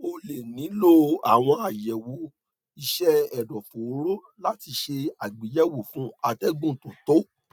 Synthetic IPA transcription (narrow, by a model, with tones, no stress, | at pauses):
o˧le˨nĩ˨˦lo˦a̰˨w̃ɔ̃˧a˨jɛ˨wo˨˦ | i˦˧ʃɛ˦ɛ˨dɔ̃˨fo˨˦ɾo˦ | la˦ti˧ʃe˧a˨ɡ͡bi˨˦jɛ˦wo˨fũ˦a˧tɛ˦ɡũ˦˨tũ˨to˦